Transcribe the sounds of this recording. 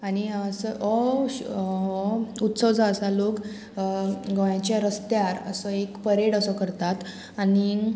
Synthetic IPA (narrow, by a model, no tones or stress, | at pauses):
aɽiəsəʔɔ | ut̪səʋd͡zaəsalok | ɡəjãt͡ɕjaɾəst̪jaɾə̰səekpəɾeɽəsəkəɾt̪at̪ | añi